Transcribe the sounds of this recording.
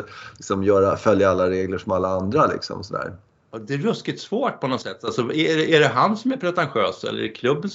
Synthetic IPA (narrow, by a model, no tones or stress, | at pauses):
lɪksɔmjœːɾafœljaalːaɾeːɡləʂɔmalːaand̪ɾalɪ̰ksɔ̰msɔd̪æ̰ːɾ | ɑd̪ɛːɾɵskɪt̪svoːʈ̚pʰɔnɔt̪sɛt̪ːalsɔɛɖɛʔæɖɛɦansɔmæɾpʰɾɛt̪ɛnɧøːsɛ̰l̰ːɾɛɛkʰlɵbːən